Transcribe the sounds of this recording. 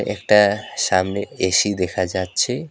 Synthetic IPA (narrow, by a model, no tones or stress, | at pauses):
ʔɛ̰k̚ʈaʃamneeʃid̪ɛkʰad͡ʑatːɕʰe